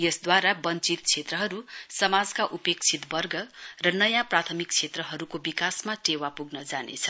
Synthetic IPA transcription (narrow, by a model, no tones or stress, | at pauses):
jʌsd̪waɾabʌnt͡sit̪̚t͡sʰet̪rʌɦʌɾusʌmad͡zkaʔupek̚t͡sʰit̪bʌrɡʌrʌnʌjaprat̪ʰʌmik̚t͡sʰet̪rʌɦʌɾukobikasmaʈewapuɡnʌd͡zanḛt͡sʰʌ̥